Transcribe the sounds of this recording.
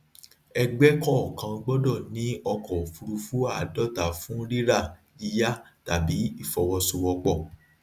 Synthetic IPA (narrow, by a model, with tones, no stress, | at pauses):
ɛ˧ɡ͡bɛ˦kɔ˦ɔ˨kã˧ɡ͡bɔ˦dɔ˦˨nĩ˨˦ɔ˧kɔ˨fu˧ɾu˧fu˦a˦˨dɔ˦˨ta˨fũ˦ɾi˦ɾa˦˨ | i˧ja˦ | ta˨bi˨˦i˦˨fɔ˨wɔ˧su˧wɔ˧k͡pɔ˦˨